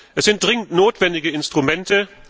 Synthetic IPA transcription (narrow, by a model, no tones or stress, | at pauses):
ʔɛsz̥ɪnt̚d̥ʁɪŋəntnoːtv̥ɛndɪɡəɪnstʁ̥umɛntə